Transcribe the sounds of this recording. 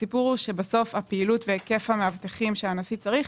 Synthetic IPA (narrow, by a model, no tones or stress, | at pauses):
sipuʁuʃe̞baso̞fhapeilutveke̞fameavt̪eχimʃeanasit͡saʁiχ